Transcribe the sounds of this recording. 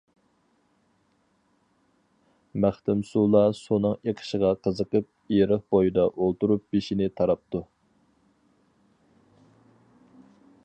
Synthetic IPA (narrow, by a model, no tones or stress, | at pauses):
mæχt̪ɪmsulˠɑsonɨŋeqʰə̥ʃəʁɑqʰəzəqəp̚iɾəχbojid̪ɑʔolˠt̪uɾup̚beʃinɪt̪ʰɑɾɑp̚t̪ʰu